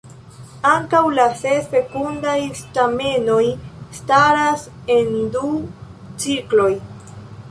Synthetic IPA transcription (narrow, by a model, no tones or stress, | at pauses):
aŋkawlase̞sfe̞kundajstame̞no̞jstaɾas | e̞ndu | t͡siklo̞j